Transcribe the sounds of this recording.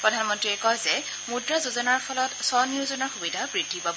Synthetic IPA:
pɹɔdʱanmɔntɹiɛkɔjzɛ | mudɹazuzɔnaɹpʰɔlɔtsɔniuzɔnɔɹxubidʱabɹidʱːipab

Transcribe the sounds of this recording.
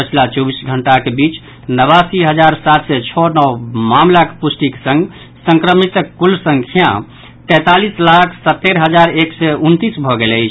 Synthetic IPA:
pət͡ʃʰlat͡ʃɔbisɡʱəɳʈakebit͡ʃ | nəβasiɦəd͡ʒaɾsat̪sɛt͡ʃʰɔnɔwmamlake̥pusʈiksə̃ŋɡ | sə̃ŋkɾəmit̪kulsə̃ŋkʰjã̰ | t̪ɛ̃t̪alislakʰsət̪ːeɾɦəd͡ʒaɾeksɛunt̪isbʱɔɡeləɪt͡ʃʰ

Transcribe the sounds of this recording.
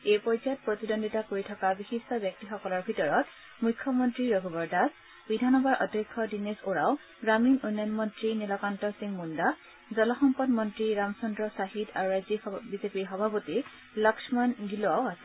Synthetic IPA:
ejpɔɹizaɔt̚pɹɔt̪idondʱitakoɹitʰɔkabixistʰɔbjɔk̚tixɔkɔlɔɹbʱitɔɹɔt | mukʰːɔmɔntɹiɹɔɡʱɔbɔɹdʱas | bidʱanɔbaɹʔɔ̰dʱekʰːɔdinisoɹaw | ɡɹaminunjɔnmɔntɹinɛlɔkantɔsiŋmunda | zɔlɔxɔmpɔdmɔntɹiɹamsɔndɹɔsaɦida̰ɹuɹajzibizepiɹxɔbʱapoti | lɔksɔmanɡiloawasɛ

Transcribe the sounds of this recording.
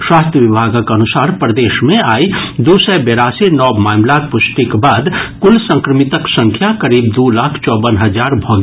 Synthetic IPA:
swaːst̪ʰjəʋibʱaːɡəkɐnʊsaːɾpɾəd̪eːʃmẽaːid̪uːsɛbeɾaːsenɔːbmaːmlak̚pʊsʈikbaːd̪kʊlsə̃ŋkɾəmit̪əksə̃ŋkʰjakɐɾiːb̚d̪ulaːkʰt͡ʃɔːbənɦəd͡ʒaːɾbʱɔɡ

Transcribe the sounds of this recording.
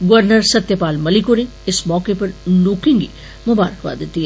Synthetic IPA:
ɡʋəɾnəɾsɐt̪jəpaːlmɐlikoɾẽ | ɪsmɔːkepɐɾluːkɪ̃ŋɡḭ | mʊbaːɾəkʋa̰d̪eːt̪iɦɛ

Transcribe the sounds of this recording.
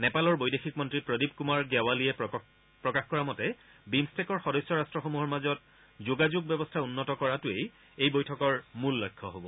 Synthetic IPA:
nɛpalɔɹbojdexik̚mɔntɹipɹodib̚kumaɹɡɛwaliɛ | pɹɔkaxkɔɹamɔtɛbimstɛkɔɹxɔdɔsjɔɹastɹɔxomuɦɔɹmazɔt̚ | zoɡazuɡ̚bɛbɔstʰaunːɔtɔkɔɹatʊej | ejbojtʰɔkɔɹmulːɔjkʰːɔɦobɔ

